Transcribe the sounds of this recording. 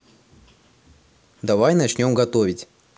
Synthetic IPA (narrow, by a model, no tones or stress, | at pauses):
d̪ɐvajnɐt͡ɕnʲo̞mɡɐt̪o̞vʲɪtʲ